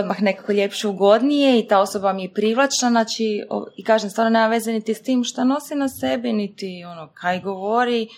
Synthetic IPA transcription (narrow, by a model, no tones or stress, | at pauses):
od̪maxne̞kakoʎe̞pʃeuɡo̞d̪nije̞it̪aːo̞sobamijepɾiʋlˠat͡ʃnaznaːt͡ʃio̰ikaːʒemsʋaːnone̞ːmaʋe̞zenit̪ist̪iːmʃt̪ano̞sinase̞binit̪io̞nokʰajiɡoʋoɾi